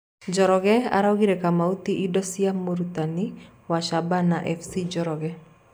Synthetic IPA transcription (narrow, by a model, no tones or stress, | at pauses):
d͡ʒɔɾɔɡɛa̰ɾawɡiɾɛkamaut̪iʔːdɔsiamuɾut̪ani | waʃabanaʔɛfsid͡ʒɔɾɔɡɛ